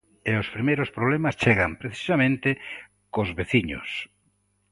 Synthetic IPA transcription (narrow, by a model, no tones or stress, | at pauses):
eospɾimejɾospɾoβlemast͡ʃeɣampɾeθi̥samẽnt̪ɪ | kozβeθiɲo̰s